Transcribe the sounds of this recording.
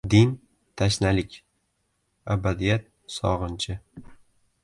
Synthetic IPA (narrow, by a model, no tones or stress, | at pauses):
d̪ɪn | t̪ʰaʃnalɪkʲ | abad̪ijat̪̚ | sɒ̰ʁɨnt͡ʃʰɪ